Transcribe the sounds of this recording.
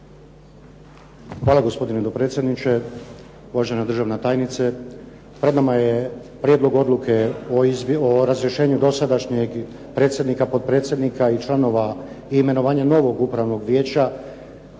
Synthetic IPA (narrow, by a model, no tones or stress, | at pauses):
xʋaːlaɡo̞spo̞d̪ined̪opɾe̞t̪sʲje̞d̪nit͡ʃe | uʋaʒenad̪rʒaʋnat̪aːjnit̪se | pɾe̞d̪namajepɾjed̪lˠo̞ɡo̞d̪lukʰeoizoɾazɾjeʃe̞ːɲud̪o̞sad̪aʃɲeɡ | pɾe̞ːt̪sjed̪nikapo̞d̪̚pɾe̞ːt̪sʲje̞d̪nikʰait͡ʃlˠano̞ʋa | iːme̞no̞ʋaːɲano̞ʋo̞ɡupɾaʋno̞ɡʋje̞ːt͡ɕa